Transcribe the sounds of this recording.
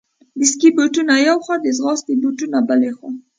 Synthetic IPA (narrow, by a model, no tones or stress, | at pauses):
d̪ɪskibuʈunajawxad̪ezɣɑst̪ibuʈunabalexo